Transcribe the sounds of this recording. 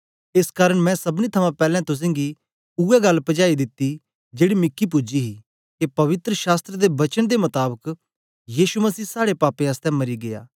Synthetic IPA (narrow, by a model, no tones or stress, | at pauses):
ɪskaːɾəɽ̃mɛ̃ːsɐbnit̪ʰɐmãpɛːlɛ̃t̪ʊs̬ẽːŋɡi | uːɛɡɐlːpɐd͡ʒaːid̪ɪt̪ːi | d͡ʒeːɽimɪkʰːip̬ʊd͡ʒiɦi | kepɐʋɪt̪ɾəʃaːst̪ɾəd̪ebɐt͡ʃənd̪emɐt̪aːbək | jiːʃumɐsiːsaːɽepaːpẽaːst̪ɛ̃mɐɾiɡeja̰ː